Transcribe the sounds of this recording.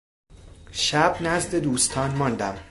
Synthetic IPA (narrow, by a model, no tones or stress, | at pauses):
ʃæbnæzd̪e̞d̪uːst̪ʰɒːnmɒnd̪æm